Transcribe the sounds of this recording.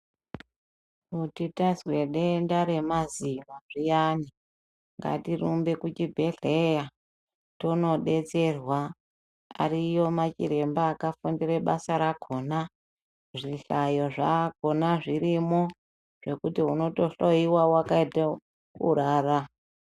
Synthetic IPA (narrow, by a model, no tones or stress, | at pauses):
utitazwe̞ɗe̞ndaɾe̞mazimaʐijani | ŋɡa̰tirumbe̞kut͡ʃibʱe̞ɮeja | tono̞ɗe̞t͡se̞rwa | a̰rijo̞mat͡ʃḭɾe̞mbaːkafundireɓasaɾaɡʱo̞na | ʐiɬajo̞ʐako̞naʐiɾimo̞ | ʐ̥e̞kutiɦuno̞to̞ɬoiwawakaita | kṵɾaːra